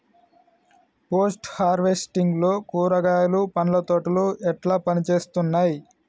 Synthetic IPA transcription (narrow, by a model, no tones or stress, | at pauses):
poːsʈhaːɾʋe̞sʈiŋɡlo̞ːkuːɾɐɡaːjlupɐnlɐt̪oːʈɐluʔɛʈlaːpɐnit͡ʃe̞ːst̪unːaːji